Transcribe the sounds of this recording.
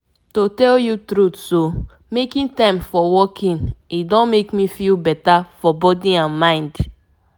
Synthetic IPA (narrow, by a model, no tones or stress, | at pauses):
totɛljutɾutso | mekĩntãɪ̃mfɔwɔkʰĩnidɔ̃nmekmifilbɛtafɔbɔdiãnmãɪ̃nd